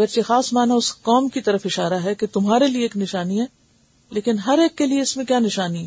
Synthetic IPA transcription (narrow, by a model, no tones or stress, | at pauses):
ɡəɾt͡ʃexaːsmaːnaʊskɔːmkit̪ɐɾəfɪʃaːɾaɦɛket̪ʊmɦaːɾelieːknɪʃaːniɦɛː | leːkɪnɦɐɾeːkːelieɪsmẽkjaːnɪʃaːniɦɛː